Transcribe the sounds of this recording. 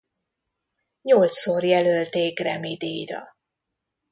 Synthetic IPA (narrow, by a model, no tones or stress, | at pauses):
ɲolt̪sorjɛlølt̪eːkrɛmid̪iːjɾɒ̰